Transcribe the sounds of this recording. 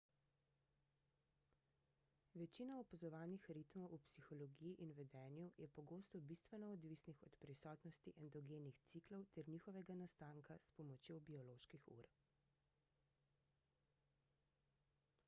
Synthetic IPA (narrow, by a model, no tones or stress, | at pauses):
ʋɛt͡ʃiːnaɔpazɔʋaːnixɾit̪mɔwʔupsixɔlɔɡijiʔinʋɛd̪ɛːnjujɛpɔɡoːst̪ɔbist̪ʋɛnɔɔd̪ʋisnixɔt̪pɾisɔːt̪nɔst̪iʔɛnd̪ɔɡeːnixt̪siklɔwt̪ɛɾniːxɔʋɛɡanast̪aːŋkaspɔmɔt͡ʃjobiɔloːʃkixṵɾ